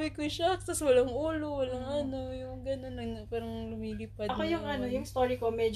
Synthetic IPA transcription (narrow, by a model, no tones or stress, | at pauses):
wɪkʊʃɐt̪ɐswɐlɐŋʔuːlowɐlɐŋɐno̞jʊŋɡɐno̞nːɐpaːɾɐŋlʊmiːliːpɐd̪ɐkojʊŋʔɐnojʊŋst̪oːɾikomɛd͡ʒ